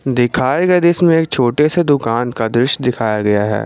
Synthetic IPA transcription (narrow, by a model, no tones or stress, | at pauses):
d̪ɪkʰaːeɡɐed̪ɪsmẽeːk̚t͡ʃʰoːʈesed̪ʊkaːnkad̪ɾʊʃd̪ɪkʰaːjaɡɐjaɦɛ̰ː